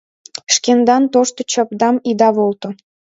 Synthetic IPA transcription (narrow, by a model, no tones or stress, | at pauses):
ʃkend̪ɑnt̪oʃt̪ŏt͡ɕɑpd̪ɑmid̪ɑβolt̪ŏ